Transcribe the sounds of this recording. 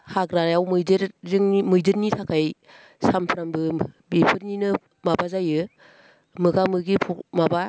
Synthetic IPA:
hakɾajawmɯjdeɾzɯŋmɯjdɯɾnitʰakʰaj | sampʰɯɾambɯbipʰɯɾninɯ | mabazajɯ | mɯkamɯɡipʰukmaba

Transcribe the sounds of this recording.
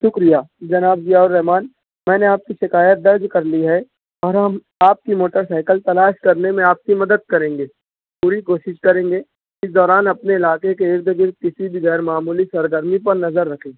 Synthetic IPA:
ʃʊkɾijaːd͡ʒɐnaːbd͡ʒijaʊɾːɛɦmaːn | mɛ̃ːneaːp̚kiʃɪkaːjət̪̚d̪ɐɾd͡ʒkɐɾliɦɛ | ɔːɾɦɐm | aːp̚kimoːʈəɾsaːɪkəlt̪ɐlaːʃkɐɾnemẽaːp̚kimɐd̪əd̪̚kɐɾẽːŋɡeː | puːɾikoːʃɪʃkɐɾẽːŋɡeː | ɪsd̪ɔːɾaːnɐpneɪlaːkek̬eɪɾd̪ɡɪɾd̪̚kɪsibʱiɣɛːɾmaːmuːlisɐɾɡəɾmipɐɾnɐzəɾːɐkʰẽː

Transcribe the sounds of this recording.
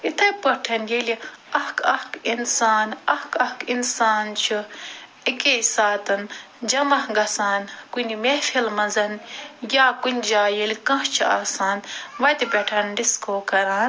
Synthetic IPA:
it̪ʰɐpɐʈʰɐnjelʲiɐhkʰɐhkinsaːnɐhkɐhkinsaːnt͡ʃʰu | ikesaːt̪ɐn | d͡ʒɐmɐhɡɐsaːnkunʲimefʰilmɐzɐnjaːkunʲd͡ʒaːjilʲkɐ̃ɦt͡ʃʰia̰ːsaːnʋɐt̪ibʲɐʈʰɐnɖiskoːkɐɾaːn

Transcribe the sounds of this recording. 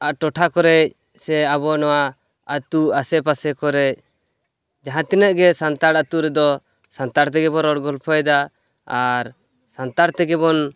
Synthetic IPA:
aʔʈɔʈʰakɔɾɛc̚ | sɛaβɔnɔwa | at̪uasɛpasɛkɔɾɛc̚ | d͡ʒaɦãt̪inəʔɡɛsant̪aɽat̪uɾɛd̪ɔ | sant̪aɾt̪ɛɡɛbɔɾɔɽɡɔlpʰɔjd̪a | aɾ | sant̪aɾt̪ɛɡɛβɔn

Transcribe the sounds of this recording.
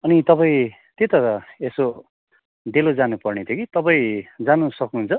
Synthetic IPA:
ʌnit̪ʌpaĩ | t̪et̪ʌeso | d̪elod͡zanupʌrnet̪ʰeokit̪ʌpaĩd͡zanusʌknũɦunt͡sʰʌ

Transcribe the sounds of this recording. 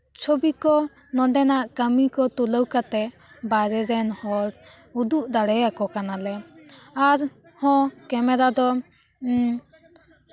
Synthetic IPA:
t͡ʃʰobikɔ | nɔ̃ɖɛnaʔkəmikɔt̪uləwkat̪ɛ | baɾɛɾɛnhɔɽ | ud̪uʔd̪aɽɛakɔkanalɛaɾ | hɔ̃kɛmɛɾad̪ɔ

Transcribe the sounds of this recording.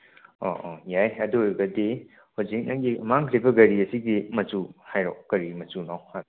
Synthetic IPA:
ɔ̰ʔɔjajɐduɡɐdi | huzik̚na̰ŋɡimaŋkʰɾibɐɡɐɾiɐsiɡimɐt͡ʃuhajɾɔk̚ɡ̥ɐɾimɐt͡ʃunɔha

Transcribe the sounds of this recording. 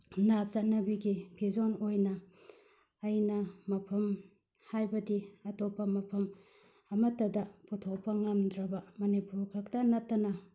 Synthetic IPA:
nat͡ʃɐt̚nɐbiɡipʰizonojnɐ | ɐjnɐmɐpʰɐm | hajbɐdiɐtopːɐmɐpʰɐm | ɐmɐtːɐdɐputʰok̚pɐŋɐmdɾɐbɐmɐnipuɾkʰɾɐk̚tɐnɐtːɐnɐ

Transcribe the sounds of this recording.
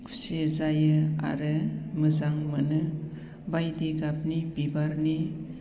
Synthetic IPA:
sezajɯa̰ɾɯmɯzaŋmɯnɯ | bajdiɡap̚nibibaɾni

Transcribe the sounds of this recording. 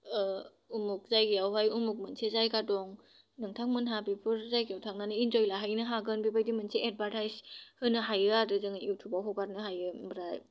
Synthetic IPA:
umuk̚zajɡijawɦajumuk̚mɯnsʰezajkadɔŋ | nɯŋtʰaŋmɯnɦabipʰɯɾzajɡijawtʰaŋnanɯinzɔjlaɦajnɯɦaɡɯnbibʰajdimɯnsʰeʔet̚baɾtʰajzhɯnɯɦajɯadɯzɯŋaiwtʰubawɦɔɡat̚nɯɦajɯbɾaj

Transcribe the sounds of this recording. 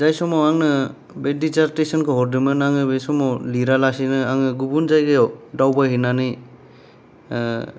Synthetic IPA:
zajsɔmɔaŋnɯ | bedizaɾtesɔnkʰɯɦɔɾdɯmɯnaŋɯbejsɔmɔliɾalasinɯaŋɯɡubunzajɡɯjɔdawbaɦinanɯj

